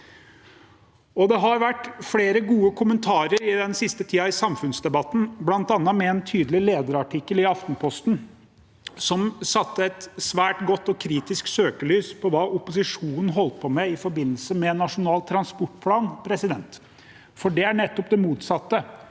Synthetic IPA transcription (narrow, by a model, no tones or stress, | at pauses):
ɔd̪ɛɦɑɾʋæʈːfleːɾəɡuːəkʰʊmənt̪ʰɑːɾəɾɪd̪ɛnsɪst̪ət̪ʰiːɑɪsɑmfʉnsd̪ɛbɑt̪ːn̩blɑnt̪ɑnːɑmɛɛnt̪ʰyːd̪əlɪleːd̪əɾɑʈʰɪkːəlɪɑft̪n̩pʰɔst̪n̩ | sɔmsɑt̪ːəɛt̪sʋæːʈɡɔt̪ːɔkʰɾiːt̪ɪsksøːkəlyːspʰɔʋɑːʔʊpʊsɪʂuːnən̩ɦɔlt̪̚pʰɔmɛɪfɔɾbɪnːəlsəmɛnːɑʂʊnɑːlt̪ʰɾɑnspɔʈːpʰlɑːnpʰɾɛsɪd̪ɛnt̪ | fɔɖɛæɳɛt̪ːɔpd̪ɛmuːt̪sɑt̪ːə